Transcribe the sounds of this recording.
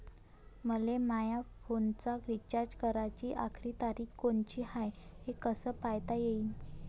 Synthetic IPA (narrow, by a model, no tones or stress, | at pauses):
məlemajafont͡saɡɾit͡ɕaɾd͡ʑkəɾat͡ɕiːʔa̰kʰɾiːt̪aɾiːkkoɳt͡ɕiːhajhekəsəːpajt̪ajeiːn